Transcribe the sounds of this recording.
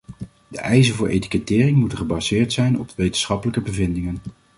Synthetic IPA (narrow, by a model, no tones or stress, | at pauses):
dəʔɛjzəvʊːɹʔḛjti̥kətɪːrɪŋmutəχəbɑzɪːɹtsɛjnɔ̰pʋejtənsχɑpələkəbəvɪndɪŋən